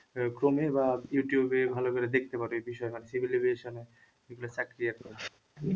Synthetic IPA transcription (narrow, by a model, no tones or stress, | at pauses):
kɾomebajuʈijubebʱalokeɾed̪ek̚ʰt̪epaɾoejbiʃɔemanesibʱilibeʃone | miɡulat͡ɕakɾiako